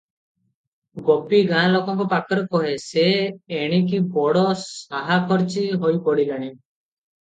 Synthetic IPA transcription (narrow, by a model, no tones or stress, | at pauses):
ɡopiɡãlokɔŋkupakɔɾekɔɦeseːɽ̃ik̬ibɔɽɔsaɦakʰɔɾt͡ʃiɦojpɔɽilaɽ̃i